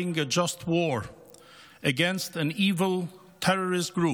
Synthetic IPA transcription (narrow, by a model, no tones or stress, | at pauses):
ɪ̃ŋɨd͡ʒʌst̚ʰwɔɹ | ɨɡɛ̃nstɨ̃niːvəl̩ˠ | tʰɛɹəɹɪst̚ɡ̥ɹu